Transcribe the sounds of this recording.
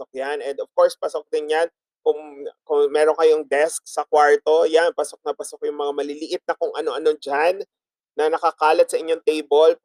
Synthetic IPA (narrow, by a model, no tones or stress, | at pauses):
ok̚janɛnd̪ov̥ko̞ɹspɐsok̚d̪ɪnjan | kʊŋkʊŋmɛːɾoŋkɐjo̞ŋd̪ɛsk̚sɐkwaɹt̪o̞janpɐsok̚nɐpɐsok̚jʊŋmɐŋamɐlɪliʔɪt̪̚nɐkʊŋʔɐno̞ʔɐno̞ŋd͡ʒanː | ɐnɐkɐkaːlɐt̪̚sɐʔɪɲːoŋt̪ejbol